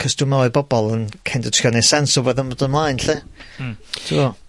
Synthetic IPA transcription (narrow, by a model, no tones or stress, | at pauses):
kʰəstʊmaɔbɔbɔlˠənkʰɛndətʰjɔnɛsɛnsɔvoːðəmɔdənmlˠaːjnɬɪ | tʰɪɔ